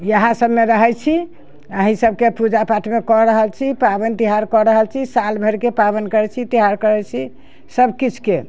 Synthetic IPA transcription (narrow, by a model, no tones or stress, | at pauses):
jəɦãsəbmeɾəɦɛt͡ʃʰi | əɦĩsəb̚kepud͡ʒapaʈʰmekɔɾəɦəlt͡ʃʰipabənt̪iɦaɾkɔɾəɦəlt͡ʃʰisalbʱeɾkepabənkəɾɛt͡ʃʰit̪iɦaɾkəɾɛt͡ʃʰi | səbkit͡ʃʰke